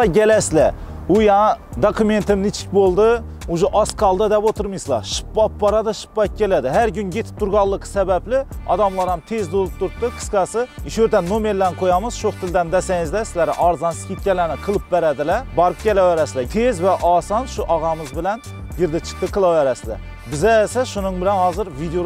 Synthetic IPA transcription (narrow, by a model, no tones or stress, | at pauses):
ɑɡʲɛlɛslɛ | ujɑd̪ɑkʲument̪ɪmnɪt͡ʃʰɪ̥k̚ʲbolˠd̪ɨ | uʒuʔɑskʰɑlˠd̪ɑd̪ɛpot̪ʰɨɾmɨjsɨlˠɑ̰ʃɨ̥p̚bɑp̚bɑɾɑd̪ɨʃɨ̥pːɑjt̪̚kʲʰːelɛd̪ɪɦæɾɡʲynɡʲet̪ʰɪ̥p̚t̪ʰuɾɡɑlˠːɨqʰːə̥sɛbɛplɪɑ̰d̪ɑmlˠɑɾɑmt̪ʰezd̪olˠɨp̚t̪ʰuɾt̪ːɨqʰə̥sqɑsɨiʃøɾd̪ɛnːomeɾlænqʰojɑmɨz̥ʃoχt̪ʰɪld̪ɛnd̪ɛsɛŋɪzd̪ɛsɪzlæɾɪ̰ʔɑɾzɑnsɨ̥kʲʰet̪̚ʲkʲɛlːænɪqʰəlˠɨp̚bæɾɛd̪ɪlɛbɑɾɨp̚kʲʰelɛwɛɾɛsɪd̪ɛt̪ʰezvɛʔɑsɑnʃuʔɑʁɑmɨzbɪlɛn | jɪɾd̪ɪt͡ʃʰə̥q̚t̪ɨqʰəlˠɑwɛɾɛsɪd̪ɛ̰ | bɪzɛsɛʃunɨŋbɪlɛnhɑːzɨɾvid̪eo